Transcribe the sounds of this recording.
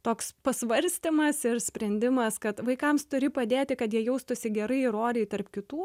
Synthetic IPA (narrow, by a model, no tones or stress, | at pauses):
t̪oːkspɐsʋɐɾʲsʲt̪ʲɪmɐsɪrsʲpʲɾʲɛnʲd̪ʲɪmɐskɐt̪ʋɐɪkɐmst̪ʊɾʲɪpɐd̪ʲeːt̪ʲɪkɐt̪jiɛjɛʊst̪ʊsʲɪɡʲɛɾɐɪɾoːɾʲɛɪt̪ɐrpkʲɪt̪uː